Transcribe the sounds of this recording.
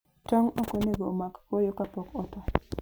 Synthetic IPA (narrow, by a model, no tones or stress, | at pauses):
tɔŋɔkoneɡɔmakkɔjɔkapɔkɔtɔ